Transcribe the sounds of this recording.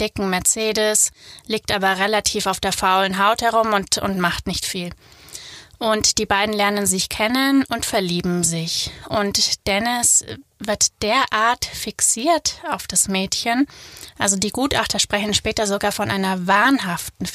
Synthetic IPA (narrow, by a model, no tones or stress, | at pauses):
d̥ɪkŋ̩mɛɐt͡seːdəsliːk̚tʔaːbɐʁelatʰiːfaʊfd̥eːɐfaʊlənɦaʊthɛʁ̞ʊmʊntʊ̰ntmaχtnɪçtfiːl | ʔʊntd̥iːbaɪdn̩lɛɐnənzɪçkʰɛnənʊntfɛɐliːbm̩zɪçʔʊntd̥ɛnɪsvɪɐtd̥eːɐʔaːɐtfɪksiːɐtaʊfd̥asmɛːtçənʔalzodiːɡuːtʔa̰χtɐʃpʁ̥ɛçn̩ʃpɛːtɐzoɡaːɐfɔnʔaɪnɐvaɐnɦaftn̩